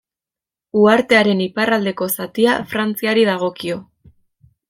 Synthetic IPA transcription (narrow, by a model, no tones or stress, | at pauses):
uaɾt̪e̞aɾe̞niparald̪e̞ko̞sat̪iafɾant͡siaɾiðaɣ̞o̞kio̞